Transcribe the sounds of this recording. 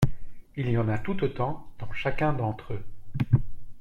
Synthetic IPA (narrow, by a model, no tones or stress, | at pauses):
ilijɑ̃nat̪ut̪ot̪ɑ̃d̪̥ɑ̃ʃakʲɛ̃d̪ɑ̃t̪χø